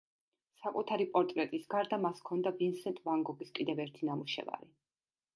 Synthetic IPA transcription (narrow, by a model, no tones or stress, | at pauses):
sakʼut̪ʰaɾipʼɔɾt̪ʼɾɛt̪ʼisɡaɾd̪amaskʰɔnd̪avinsɛnt̪ʼvaŋɡɔɡiskʼid̪ɛvɛɾt̪ʰinamuʃɛ̰va̰ɾi